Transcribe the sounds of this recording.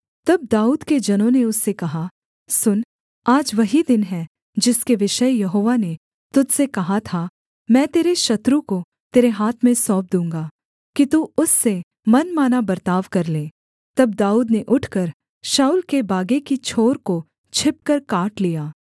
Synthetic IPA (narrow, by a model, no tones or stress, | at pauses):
t̪ɐb̚d̪aːuːd̪ked͡ʒɐnõneʊsːekɐɦa | sʊn | aːd͡ʒʋɐɦid̪ɪnɦɛ | d͡ʒɪskeʋɪʃəjjɐɦoːʋane | t̪ʊd͡ʒ̪sekɐɦat̪ʰa | mɛ̃ːt̪eːɾeʃɐt̪ɾuko | t̪eːɾeɦaːt̪ʰmẽsɔːp̚d̪ũːŋɡaː | kit̪uʊsːe | mɐnmaːnabɐɾt̪aːʋkɐɾleː | t̪ɐb̚d̪aːuːd̪neʔʊʈʰkɐɾ | ʃaːuːlkebaːɡekit͡ʃʰoːɾko | t͡ʃʰɪp̚kəɾkaːʈlijaː